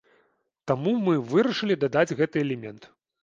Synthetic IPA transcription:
t̪amumɨvɨɾɐʂɨlʲid̪ad̪ad͡zʲɣɛt̪ɨɛlʲɛmʲɛnt̪

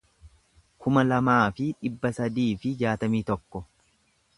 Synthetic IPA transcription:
kʊmɐlɐmaːfɪᶑɪbːɐsɐd̪iːfɪd͡ʒaːt̪ɐmiːt̪ɔkːɔ

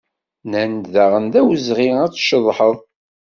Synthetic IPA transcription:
nænd̪ðæʁənd̪æwəzʁiæt͡sːʃəðˤħəðˤ

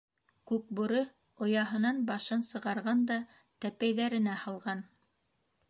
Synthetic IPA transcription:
kʉk̚buɾɤ | ŏjɑɦɤ̆nɑnbɑʃɤnsɤ̆ʁɑɾʁɑnd̪ɑ | t̪æpæjðæɾɘ̆næhɑlˠʁɑn

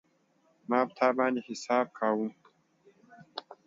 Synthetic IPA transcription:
maːb̚t̪ʰaːbaːnd̪ehɪsaːb̚kʰaːwum

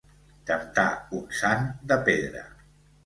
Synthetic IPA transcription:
k̪ənt̪auksand̪əpeðɾə̰

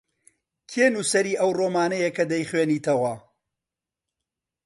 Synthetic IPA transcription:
kʰeːnusɐɾiːʔɐwroːmaːnɐjekɐd̪ɐjχweːniːt̪ʰɐwɐ

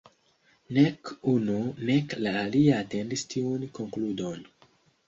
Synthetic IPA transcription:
nekununeklaːliaːtendistiunkoŋkludon

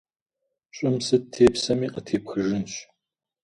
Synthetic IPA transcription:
ɕʼɪmsɨtʰeːpsɐmiːqɐtʰeːpxɨʐɨnɕ

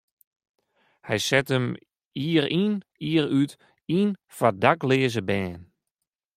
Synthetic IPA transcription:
hɛjsɛtəm | iəɾiniəɾyt | infadaklɪːzəbɛːn

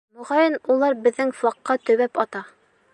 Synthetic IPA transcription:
mŏʁɑjɤnulˠɑɾbɘ̆ðːɘŋflˠɑqːɑt̪ɵ̆βæpɑt̪ɑ

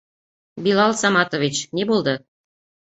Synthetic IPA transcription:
bilɑlˠsɑmɑt̪ovʲit͡ɕnʲebolˠd̪ɤ̆

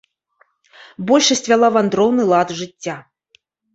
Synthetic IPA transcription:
bɔlʲʂɐsʲt͡sʲvʲalˠavand̪ɾɔwnɨlˠad̪ʐɨtʲːa

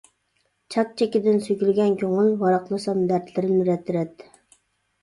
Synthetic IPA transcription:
t͡ʃʰɑt̪̚t͡ʃʰɛkʲɪd̪ɪnsykʲylɡʲɛnkʲʰoŋʊlˠvɑɾɑqlˠɑsɑmd̪æɾt̪lɪɾɪnɾɛt̪ʰːɪɾɛt̪ː

